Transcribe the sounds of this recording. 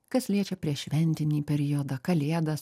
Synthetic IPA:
kɐslʲiɛt͡ʃʲɛpʲɾʲiɛʃʲʋʲɛnʲt̪ʲɪnʲiːpʲɛɾʲɪjod̪ɐkɐlʲeːɛd̪ɐs

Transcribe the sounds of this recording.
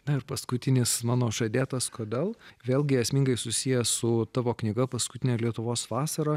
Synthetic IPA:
nɐɪɾpɐskʊt̪ʲɪnʲɪsmɑːnoːʃɐd̪ʲeːt̪ɐskoːd̪ʲeːlˠʋʲeːlˠʲɡʲɪɛsʲmʲiːŋɡɐɪsʊsʲijɛsʊt̪ɑːʋoːknʲɪɡɐpɐskʊt̪ʲɪnʲelʲiɛt̪ʊʋoːsʋɑːsɐɾɐ

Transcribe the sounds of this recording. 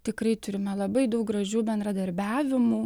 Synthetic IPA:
t̪ʲɪkɾɐɪt̪ʊɾʲɪmʲɛlˠɐbɐɪd̪ɐʊk̚ɡrɐʒʲuːbʲɛnd̪ɾɐd̪ɐɾʲbʲæːʋʲɪmuː

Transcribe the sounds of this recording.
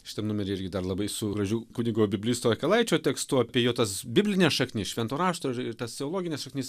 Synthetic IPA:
ʃʲɪ̥t̪ɐmnʊmʲɛɾʲːɪɾʲɡʲɪd̪ɐrlˠɐbɐɪsʊɡɾɐʒʲukʊnʲɪɡoːbʲɪbʲlʲɪst̪oɐkʲɐlˠɐɪt͡ʃʲoːt̪ʲɛkst̪ʊɐpʲiɛjoːt̪ɐsbʲɪbʲlʲɪnʲɛsʃɐknʲɪsʃʲʋʲɛnt̪oːɾɑːʃt̪oːɪɾɪɾt̪ɐst̪ʲɛolˠoːɡʲɪnʲɛːsʃɐkʲnʲɪs

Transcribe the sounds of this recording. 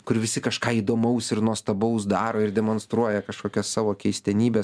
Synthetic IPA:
kʊɾʋʲɪsʲɪkɐʃkɑːiːd̪oːmɐʊsɪrnuɔst̪ɐbɐʊs̬d̪ɑːɾoːɪɾd̪ʲɛmoːnst̪ɾuɔjɛkɐʃkoːkʲɛssɑːʋoːkʲɛɪsʲt̪ʲɛnʲiːbʲɛs

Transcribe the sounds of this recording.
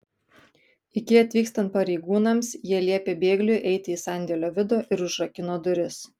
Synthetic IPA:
ɪkʲɪɐt̪ʲʋʲiːkst̪ɐnt̪̚pɐɾʲɛɪɡuːnɐmsjiɛlʲiɛpʲeːbʲeːɡlʲʊʔɛɪt̪ʲɪiːsɑˑnʲd̪ʲɛlʲoːʋʲɪd̪oːʔɪɾʊʒɾɐkʲɪnoːd̪ʊɾʲɪs

